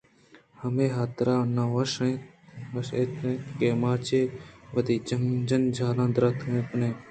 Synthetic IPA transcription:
hɐmeːɦaːt̪ɾaːnãʋɐʃẽː | ɐʃeːt̪ʰẽːkeːmaːt͡ʃeːʋɐd̪iːd͡ʒɐŋd͡ʒɐnd͡ʒʱaːlãːd̪ɾɐt̪ʰẽːpneː

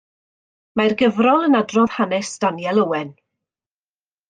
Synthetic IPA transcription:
majrɡəvrɔlˠənadrɔð̥hanɛsd̥anjɛlˠəwɛn

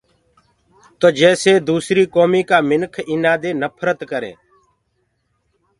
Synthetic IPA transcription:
t̪oːd͡ʒɛːseːd̪uːsɾiːkoːmiːkaːmɪnkʰɪnaːd̪eːnəpʰɾət̪kəɾḛː

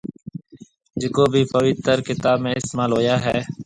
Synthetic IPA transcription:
d͡ʒɪkoːbʱiːpəʋɪt̪əɾkɪt̪aːbmẽːɪst̪eːmaːlɦoːjaːɦɛː

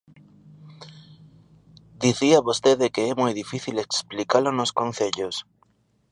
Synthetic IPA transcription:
d̪iθiaβost̪eðekeɛmojðifiθileksplikalonoskõn̟θeʎos

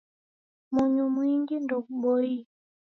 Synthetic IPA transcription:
muɲumwiŋɡindukuɓoi

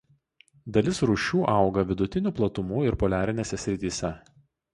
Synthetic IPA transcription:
d̪ɐlʲɪsɾuːʃʲuːʔɑˑʊɡɐʋʲɪd̪ʊt̪ʲɪnʲuːˑplˠɐt̪ʊmuːɪɾpɔlʲæːɾʲɪnʲeːsʲɛsʲɾʲɪt̪ʲiːsʲɛ

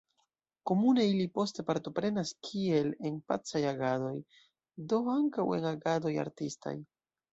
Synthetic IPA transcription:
ko̞mune̞ilipo̞ste̞paɾtopɾe̞naskʰie̞lenpa̰t͡sajaɡado̞j | do̞aŋkawe̞̰naɡado̞ja̰ɾtista̰j

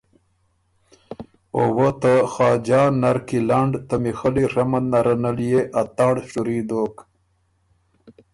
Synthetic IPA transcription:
owot̪axɑːd͡ʑɑːnːaɾkilaɳɖt̪amixəliɾɐmannaɾɐnaljeʔat̪aːɳɖʂuɾid̪oːk

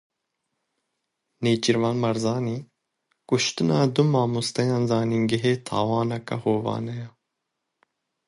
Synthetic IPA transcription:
neːt͡ʃiɾvaːnmɐɾzaːniː | kuʃt̪ɨnaːd̪umaːmust̪ɐjaːnzaːniŋɡiɦeːt̪ʰa̰ːwaːnɐkɐ̰hoːvɑ̰ːnɐja

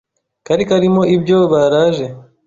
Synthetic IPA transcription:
kaɾikaɾimo̞ibjo̞βaɾaːʒe̞

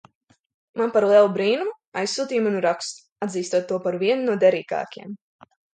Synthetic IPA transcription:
manpaɾlˠiɛlˠubɾiːnu | ajsːuːt̪iːmanuɾakst̪ | ad̪ziːst̪uɔt̪ːuɔpaɾviɛnnuɔd̪ɛɾiːka̰ːkiɛm

